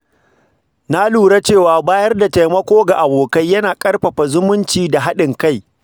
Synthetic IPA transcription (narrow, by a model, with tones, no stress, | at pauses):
na˦luː˨ɽa˦t͡ʃeː˦˨waː˨baː˦jɐ˦rda˨ta˨jmɐ˦kʷoː˦ɡa˨ʔa˨boː˨ka˦jːɐ˦naː˨kʼɐ˦rɸɐ˨ɸa˨zʊ˦mʊ˦nt͡ʃiː˨da˨ɦa˦ɗɪ˨ŋka˦˨j